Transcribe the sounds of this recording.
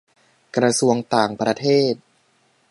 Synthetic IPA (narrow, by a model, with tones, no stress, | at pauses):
kɾa˧su˧əŋt̪aː˨˩ŋpɾa˧t̪ʰeː˥˩t̪̚